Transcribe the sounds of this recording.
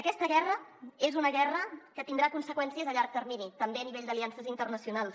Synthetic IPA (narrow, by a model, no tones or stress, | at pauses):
əkɛst̪əɣɛrəezunəɣɛrəkət̪ind̪ɾakunsəkwɛnsiəzəʎaɾk̚t̪əɾminit̪əmbeəniβeʎʲd̪əliansəzint̪ərnəsiunalˠs